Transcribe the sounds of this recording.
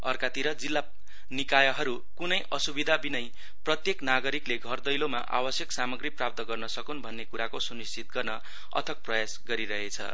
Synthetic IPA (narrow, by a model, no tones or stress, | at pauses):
ʌ̰rkat̪iɾʌd͡zilːa | nikajʌɦʌɾu | kunʌjʔʌsubid̪ʱabinʌj | prʌt̪jeknaɡʌɾikleɡʱʌrd̪ʌjloma̰ʔa̰bʌsjʌksamʌɡriprap̚t̪ʌɡʌrnʌsʌkunbʱʌnːekuɾakosunist͡sʰit̪̚ɡʌrnʌ | ʌ̰t̪ʰʌk̚prʌjasɡʌɾiɾʌɦet͡sʰʌ̰